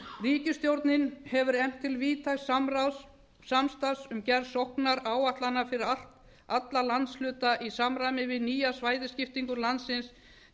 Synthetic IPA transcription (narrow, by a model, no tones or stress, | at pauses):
riːcʏst̪jowɾt̪nɪnhɛvʏɾɛm̥t̪ʰːɪlviːt̪ʰasamɾaws | samst̪asʏmcɛɾsohknaɾaːwaht̪lanːafɪɾɪɾal̥t̪ | at̪lalant̪slʏːt̪aʔisamɾamɪvɪðniːjasvaːjðɪscɪft̪iŋkʏɾlant̪sɪns